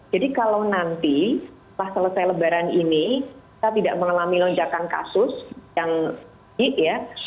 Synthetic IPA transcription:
d͡ʒadikalawnant̪i | lahsələsajləbaɾaniniki̥t̪at̪idaʔməŋalamilɔɲd͡ʒakanka̰sʊsjaŋ | ɪʔja

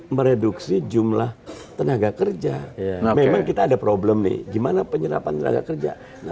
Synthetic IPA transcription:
məɾeduksid͡ʒumlaht̪ənaɡakərd͡ʒamemaŋkit̪aːdapɾoblɛmnɪ̰hɡimanapəɲəɾa̰pant̪əna̰ɡa̰kərd͡ʒa̰ | na

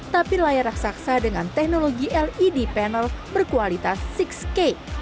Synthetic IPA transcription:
t̪apilajaɾaksaksadəŋant̪ɛk̚noloɡiʔɛlidipɛnəlbərkualit̪asːikske

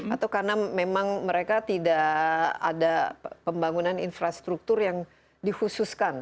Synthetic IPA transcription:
at̪awkarnamemaŋməɾekat̪idaa̰dapəmbaŋunaninfɾast̪ɾuk̚t̪ʊrjaŋ | dihususkan

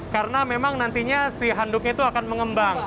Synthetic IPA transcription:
kaɾənamemaŋnant̪iɲasiɦandʊkit̪uakanməŋəmbaŋ

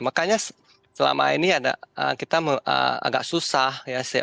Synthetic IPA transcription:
makaɲas | səla̰ma̰iniada̰əkit̪aməə̰a̰ɡa̰ʔsusahjasaja

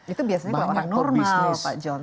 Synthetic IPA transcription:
it̪ubiasaɲaalooɾaŋnɔrmalpa̰d͡ʒɔn

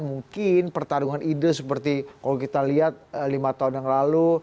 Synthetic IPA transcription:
muŋkɪnpərt̪aɾuŋanʔidəsəpərt̪ikalokit̪aliat̪̚əlimat̪aɦunjaŋlalu

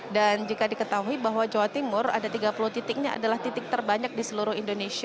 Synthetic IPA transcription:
dand͡ʒikadikət̪aɦuibaɦwad͡ʒawat̪imʊra̰dat̪iɡapuluht̪it̪ɪk̚ɲaa̰dalaht̪it̪ɪk̚t̪ərbaɲak̚disəluɾʊhindonesia

